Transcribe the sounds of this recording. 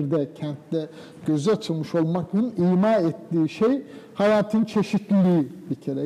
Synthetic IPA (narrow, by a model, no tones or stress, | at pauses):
ɾd̪ɛcʰɛnt̪lɛ | ɟ̥ø̞zyat͡ʃ̪ʰɯlˠmɯʃo̞lˠmakɯniːmaːɛt̪ːiːʃejhajaːt̪ʰɯnt͡ʃʰe̞ʃit̪lʲilʲiːbicʰe̞ɾɛ